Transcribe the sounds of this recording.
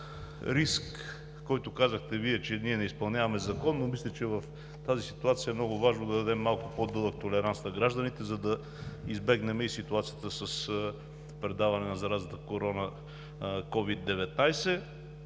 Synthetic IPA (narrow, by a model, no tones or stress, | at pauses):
ɾiskː | ɔjt̪ʊkazəxt̪ɛviɛt͡ʃɛniɛnɛispɐlˠnʲavɐmɛzɐkɔnːomislʲɛt͡ʃɛvɐf | t̪azisit̪uat̪sijəɛmnɔɡʊvaʒnod̪ɐd̪ɐd̪ɛmːalˠkʊpod̪ɤlˠək̚t̪olɛɾansnɐɡɾaʒd̪ɐnit̪ɛzɐd̪ɐ | izbɛɡnɛmɛisit̪uat̪sijət̪əsɐs | pɾɛd̪avɐnɛnɐzɐɾazət̪əkoɾɔnə | kɔvid̪ːɛvɛt̪najsɛ